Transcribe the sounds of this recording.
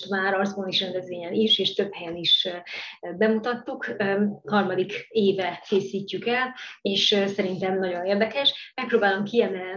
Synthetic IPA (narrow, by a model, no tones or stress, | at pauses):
t̪maːɾɒrzboniʃrɛnd̪ɛzʋeːɲɛniʃeːʃt̪ø̞phɛjɛniʃ | bɛmut̪ɒt̪ːukhɒrmɒd̪ikeːvɛkeːsiːcːykɛleːʃsɛɾint̪ɛmnɒɟo̞neːrd̪ɛkɛʃmɛk̚proːbaːlo̞mkiɛmɛlni